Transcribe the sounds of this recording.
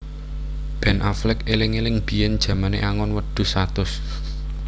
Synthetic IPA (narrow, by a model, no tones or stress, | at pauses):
b̥ɛnʔaflɪkelɪŋelɪŋb̥i̤jɛnd̥ʒ̥ä̤manḛʔaŋɔnwəɖ̪̥ṳsat̪ʊs